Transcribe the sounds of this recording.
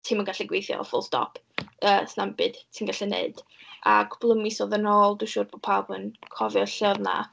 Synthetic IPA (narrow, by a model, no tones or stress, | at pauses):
tʰimənɡaɬɛɡwejθjɔ̰ɔfʊlˠstɔ̰pʰ | əːsnambɨd̥tʰiːnɡaɬɛnḛɨd̥ʔa̰kʰʊ̥b̥lˠəmisɔðənɔːlˠduʃʊːdb̥o̥pʰabənkʰɔvjɔɬəðna̰